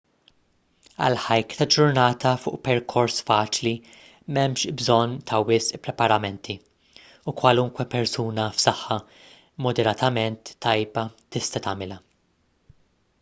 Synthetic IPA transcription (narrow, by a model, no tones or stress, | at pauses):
ɐ̰lħɐjkt̪ɐd͡ʒʊɾnɐːt̪ʰɐfʊ̰ːʔpɛɾkʰɔɾsfɐːt͡ʃli | mɛmʃbzɔnt̪ʰɐwɪsʔpɾɛpɐɾɐmɛnt̪ʰi | ukwɐlʊŋkwɛpɛɾsuːnɐfsɐħːɐ | mɔd̪ɛɾɐt̪ʰɐmɛnt̪ːɐjbɐt̪ɪst̪ɐt̪ɐmɪlɐ